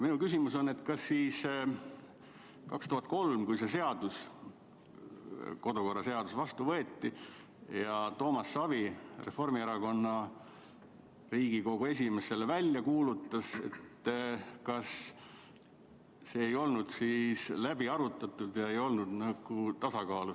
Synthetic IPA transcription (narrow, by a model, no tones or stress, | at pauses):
minukys̬ʲimuso̞nːe̞t̪kɑsːiːs | kɑkst̪uɦɑt̪̚ko̞lmkujse̞s̬e̞ɑd̪̥us | ko̞d̪̥oko̞rːɑse̞ɑd̪usvɑst̪uvɤet̪ːi | jɑt̪o̞ːmɑsːɑvire̞fo̞rmieɾɑko̞nːɑ | riːɡ̥iko̞ɡ̥ue̞s̬ʲime̞se̞levælʲjɑkuːlut̪ːˑɑse̞̰t̪ːkɑs | se̞ːjo̞lnud̪̥siːslæb̥iɑɾut̪ːˑɑt̪ːˑud̪̥jɑe̞jo̞lnud̪̥nɑɡ̥ut̪ɑsɑkɑːlu